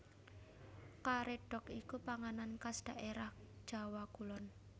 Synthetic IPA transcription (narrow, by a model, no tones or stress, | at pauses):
kaɾeɖ̥ɔ̤kikupaŋanankasd̪̥a̤ʔeɾah | d̥ʒ̥a̤wakulɔn